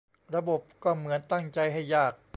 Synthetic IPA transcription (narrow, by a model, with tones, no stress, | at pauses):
ɾa˧bo˨˩p̚kɔː˥˩mɯ˩˦ənt̪a˥˩ŋt͡ɕa˧jɦa˥˩jːaː˥˩k̚